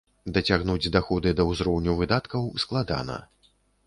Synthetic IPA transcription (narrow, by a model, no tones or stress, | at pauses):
d̪ɐt͡sʲaɣnud͡zʲd̪axɔd̪ɨd̪ɐwzɾɔwnʲuvɨd̪at̪kɐwsklˠad̪a̰nɐ̰